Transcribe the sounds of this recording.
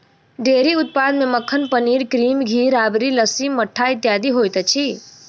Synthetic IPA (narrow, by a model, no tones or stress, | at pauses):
ɖeːɾiʊt̪̚pad̪mẽməkʰːənpəniːɾkɾiːmɡʱiːɾaːbɾiləsimːəʈʰːaːjt̪jaːd̪iɦoːjt̪ət͡ʃʰi